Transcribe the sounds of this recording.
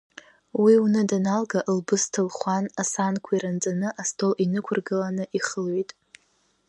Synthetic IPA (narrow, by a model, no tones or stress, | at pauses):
wiunɨdanalɡaʔlbɨstʰɨlχʷanasankʷʰaiɾand͡zʼanɨʔastʰolʔinɨkʷʰʊrɡɨlanɨʔiχəlɥitʼ